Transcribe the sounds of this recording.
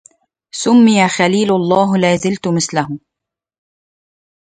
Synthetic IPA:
sʊmːɪjaxaliːlʊɑlˤːɑːɦlaːzɪlt̪ʊmɪθlaɦʊ

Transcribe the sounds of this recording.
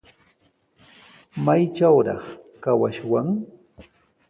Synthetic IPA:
majt͡ʃawɾɑ̰χkawaʃwaŋ

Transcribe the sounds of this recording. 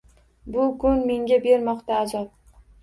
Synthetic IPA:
bʊɡʊnme̞ŋʲabe̞ɾmɒqt̪aːzɒp̚

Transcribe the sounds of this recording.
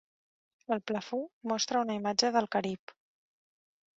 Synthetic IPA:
əlˠpləfumɔst̪ɾəunəimad͡ʒəðəlˠkəɾip

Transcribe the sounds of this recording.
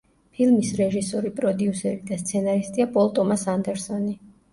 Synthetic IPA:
pʰilˠmisɾɛʒisɔɾipʼɾɔd̪iusɛɾid̪ast̪sʰɛnaɾist̪ʼiapʼɔlˠt̪ʼɔmasand̪ɛɾsɔni

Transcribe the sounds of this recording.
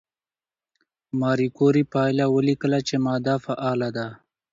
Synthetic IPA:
mɑːɾikoɾipɑːjlawəlikəlat͡ʃemɑːd̪afaʔɑːlad̪a

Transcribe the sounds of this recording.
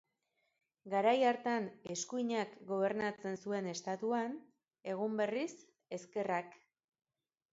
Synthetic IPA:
ɡaɾajaɾt̪ane̞skuiɲakɡo̞β̞e̞ɾnat͡se̞nsue̞ne̞st̪at̪uan | e̞ɣ̞umbe̞ris | e̞ske̞rak

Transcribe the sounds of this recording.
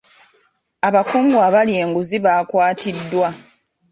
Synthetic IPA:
aβakoːŋɡwaːβalje̞ːŋɡuziβaːkwaːtidːwa

